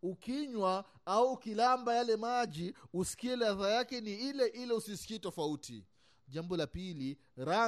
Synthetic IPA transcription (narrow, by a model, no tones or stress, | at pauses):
ukiɲwa | auːkilambajalɛmaʄiusi̥kiɛlaðajakɛniilɛʔilɛusisi̥kitɔfautʰḭ | ʄambɔlapili | ɾa